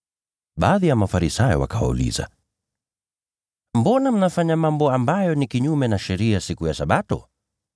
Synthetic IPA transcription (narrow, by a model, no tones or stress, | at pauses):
ɓaːðijamafaɾisajɔ̰wa̰kawa̰ṵlḭza̰ | m̩bɔnam̩nafaɲamambɔambajɔnikiɲumɛnaʃɛɾiasikujasaɓatɔ